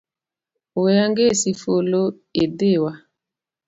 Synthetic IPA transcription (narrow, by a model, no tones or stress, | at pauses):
ojaŋɡesifolo | edewa